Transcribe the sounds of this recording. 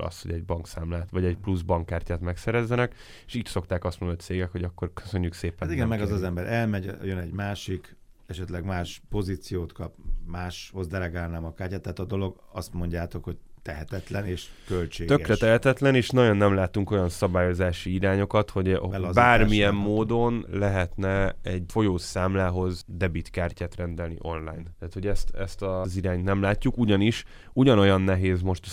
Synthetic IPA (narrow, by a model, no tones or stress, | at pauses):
ɒ̰sho̞ɟɛɟ̚bɒŋksaːmlaːt̪ʋɒɟɛɟpluzbɒŋkːaːrcaːt̪mɛksɛɾɛzːɛnɛk | eʃiːcso̞kt̪aːkɒst̪moːt̪seːɡɛkho̞ɟɒkːo̞rkø̥sø̞ɲːukseːpɛt̪iɡɛmmɛɡɒzɒzɛmbɛɾʔɛlmɛɟjønɛɟmaːʃik | ɛʃɛt̪lɛɡmaːʃpo̞ziːt̪sijoːt̪kɒpmaːʃho̞zd̪ɛlɛɡaːlnaːmɒkaːrcaːt̪ːaːt̪ɒd̪o̞lo̞ɡ | ɒst̪mo̞ɲɟaːt̪o̞kho̞ɟ̚t̪ɛɦɛt̪ɛt̪lɛneːʃkølt͡ʃeːɡ̪øɛkrɛt̪ɛɦɛt̪ɛt̪lɛneːʃnɒɟo̞nːɛmlaːt̪uŋko̞jɒnsɒbaːjo̞zaːʃiiɾaːɲo̞kɒt̪ho̞ɟbaːrmiɛmːoːd̪o̞nlɛɦɛt̪nɛɛɟfo̞joːsaːmlaːɦo̞zd̪ɛbit̪kaːrcaːt̪rɛnd̪ɛlnḭʔo̞nla̰ːjnt̪aːt̪ho̞ɟɛst̪ɛst̪ɒziɾaːɲt̪nɛmlaːcːukuɟɒniʃ | uɟɒno̞jɒnːɛɦeːzmo̞ʃt̪